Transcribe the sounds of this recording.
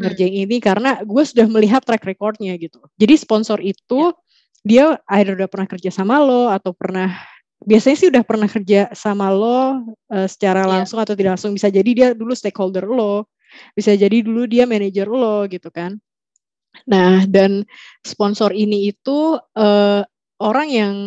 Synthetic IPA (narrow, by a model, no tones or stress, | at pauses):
ŋərd͡ʒaŋinikaɾənaɡuasudahməliɦat̪ːɾɛkrekɔrt̪̚ɲaɡit̪ud͡ʒadisə̥pɔnsɔɾit̪u | diaaɪdərudahpərnahkərd͡ʒasamalɔat̪awpərnah | biasaɲasɪhudahpərnahkərd͡ʒasamalɔəsə̥t͡ʃaɾalaŋsʊŋat̪awt̪idaklaŋsʊŋbisad͡ʒadidiadulust̪ekholdərlɔ | bisad͡ʒadiduludiamɛned͡ʒərlɔɡit̪ukanː | ahdansəpɔnsɔɾiniːt̪uə | oɾaŋjaŋ